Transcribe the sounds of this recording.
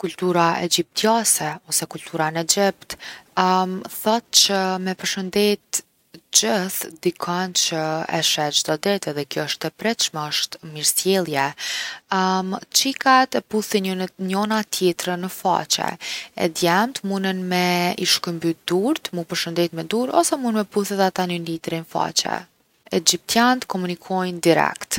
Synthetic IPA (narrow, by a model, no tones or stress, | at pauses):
kult̪uɾaʔɛ̰d͡ʑip̚t̪jasɛɔsɛkulʲt̪ʰuɾanɛd͡ʑɛpt̪ | mθat̪̚t͡ɕəmɛpəɾʃənd̪ɛt̪ | d͡ʑəθd̪ikʰɔnt͡ʃəɛ̰ʃɛd͡ʒd̪ɔd̪ɛt̪ɛðɛkjɔəʃt̪ɛpɾɛʃmɛəʃt̪miɾsjɛlˠjɛ | t͡ʃikat̪ɛpuθiɲɔnat̪jɛt̪ɾənəfa̰t͡ɕɛ̰ɛ̰d̪jɛmt̪munənmɛiʃkəmbyd̪uɾt̪mupəɾʃənd̪ɛt̪mɛd̪uɾɔ̰sɛmunnmɛpuθɛt̪at̪anənlit̪ɾinfa̰t͡ɕɛ̰ | ɛd͡ʑip̚t̪janət̪kɔmunikʰɔjnd̪iɾɛ̰kt̪